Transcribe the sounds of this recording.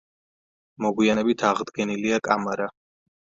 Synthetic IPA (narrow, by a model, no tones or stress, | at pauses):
mɔɡwianɛbit̪ʰaʁd̪ɡɛniliakʼamaɾa